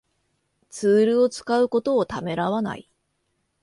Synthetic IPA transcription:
t͡sɨːɾɯ̟o̞t͡sɨ̥kaɯ̟ko̞t̪o̞ːt̪ame̞ɾaβana̰i

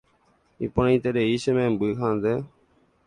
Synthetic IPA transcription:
ḭpəɳĩːt̪eːɗeːiːʃemẽːmbuiːkʰãːnd̪eː

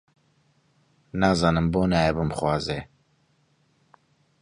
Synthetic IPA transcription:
nɑːzɑːnɨmboːnaːjɛbɨmχwɑːzeː

